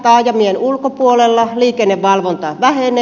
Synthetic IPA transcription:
t̪ɑːjjɑmieenulkopuolelːɑliːkenːeʋʋɑlʋont̪ɑʋæhene

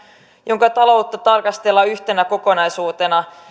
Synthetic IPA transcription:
jʔo̞ŋkɑt̪ɑlo̞wt̪ːɑt̪ɑrkɑst̪elːɑyçt̪e̞næko̞ko̞nɑjsuːt̪e̞nɑ

